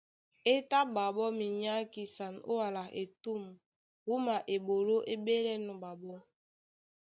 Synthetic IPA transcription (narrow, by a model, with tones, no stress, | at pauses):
e˦ta˦ba˨bɔ˦mi˨ɲa˦ki˦sa˨no̰˦wa˨la˨e˨tu˦˨m | wu˦ma˨ʔe˨bo˨lo˦ʔe˦be˦lɛ˦nu˨ba˨bɔ˦